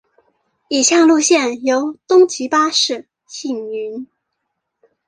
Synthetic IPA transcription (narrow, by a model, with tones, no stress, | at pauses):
i˨˩ɕjɑ˥˧ŋlu˥˧ɕjɛ˥˩njo˧˥ʊt̪ʊ˥ŋt͡ɕi˧˥pa˥ʂɻ̩˥˩ | ɕi˥˩ŋy˧˥n